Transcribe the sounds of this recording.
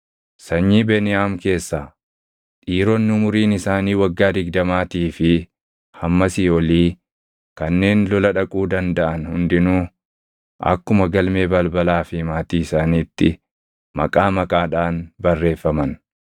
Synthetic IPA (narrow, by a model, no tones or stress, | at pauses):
sɐɲːiːbeːnɪaːmke̞ːsːaː | ᶑiːɾɔnːɪʊmʊɾiːnɪsaːniːwɐɡːaːd̪ɪɡd̪ɐmaːt̪iːfɪ | hɐmːɐsiːɔliː | kɐnːe̞ːnlɔlɐᶑɐkʼuːd̪ɐnd̪ɐʔɐnhʊnd̪ɪnuː | ʔɐ̰kːʊmɐɡɐlme̞ːbɐlbɐlaːfɪmaːt̪iːɪsaːniːt̪ːɪ | mɐ̰kʼaːmɐkʼaːᶑaːnbɐrːe̞ːfːɐmɐn